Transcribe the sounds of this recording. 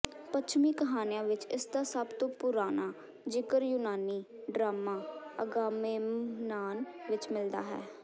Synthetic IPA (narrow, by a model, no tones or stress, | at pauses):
pət͡ʃʰmiːkəɦaːnɪjãːʋɪt͡ʃɪsd̪aːsəbt̪õːpʊɾaːnaː | d͡ʒɪkəɾjʊnaːniː | ɖɾaːmãːəɡaːmeːnaːnʋɪt͡ʃmɪld̪a̰ːɦɛ̰ː